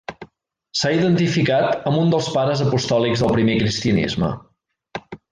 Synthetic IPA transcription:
saiðənt̪ifikat̪əmund̪əlˠspaɾəzəpust̪ɔlikzðəlˠpɾimekɾist̪iənḭzmə̰

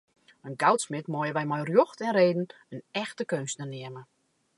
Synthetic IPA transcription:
ənɡawtsmɪtmɔjəʋɛjmɔjrjoxtɛnreːdn̩ | ənɛxtəkønstnərnɪəmə

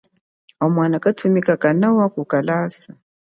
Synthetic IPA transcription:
amwanakatʰumikakanawakukalaːsa

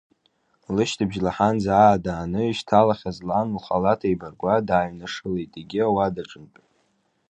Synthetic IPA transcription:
lɨʃtʰɨbʒlaħanzaːdaːnɨiʃtʰalaχʲazlanuχalatʰajbarɡʷadaːɥnɨʂɨlejtʼeɡʲɪawadaʈ͡ʂʼɨnpʼ

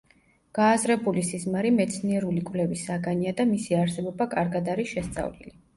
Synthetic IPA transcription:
ɡ̥aːzɾɛbulisizmaɾimɛt̪sʰniɛɾulikʼvlɛvisaɡaniad̪amisiaɾsɛbɔbakʼaɾɡad̪aɾisʃɛst̪sʼa̰vlḭli

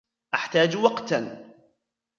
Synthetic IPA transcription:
ʔaħt̪aːd͡ʒwɑqt̪

